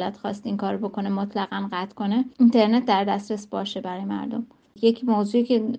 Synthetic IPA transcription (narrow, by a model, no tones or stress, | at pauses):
læt̪xɒːst̪iŋkʰɒːɾobo̞kʰo̞nemot̪ʰlæɣænɢæt̪ʰkʰo̞neint̪ʰe̞ɾnet̪̚ʰd̪æɾd̪æst̪ɾesbɒːʃe̞bæɾɒːjemæ̰ɾd̪o̞m | jecʰmozuːicʰe